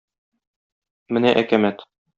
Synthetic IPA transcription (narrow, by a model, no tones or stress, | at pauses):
mɘ̆næʔækæmæt̪